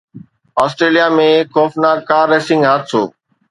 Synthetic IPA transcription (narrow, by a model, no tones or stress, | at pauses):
ɔːsʈɾeːlijaːmẽːkʰoːfnaːɡkaːɾeːsɪ̃ŋɡɦaːt̪so̰ː